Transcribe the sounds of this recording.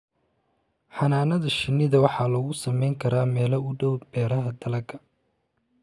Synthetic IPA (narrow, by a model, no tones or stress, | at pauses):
ħɑnaːnɐðɐʃɪnːɪðɐwɑħɑːlɔɣʊsɐmɛjŋkʰɐɾaːmɛːlɐʊɖɔwbɛːɾɐɦɐd̪ɐlɐɡɐ